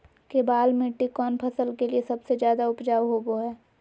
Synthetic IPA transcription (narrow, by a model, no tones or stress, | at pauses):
kebaːlmɪʈːikɔːnpʰɐsəlkeliesɐbsed͡ʒjaːd̪aʊpd͡ʒaːʋɦoboɦɛː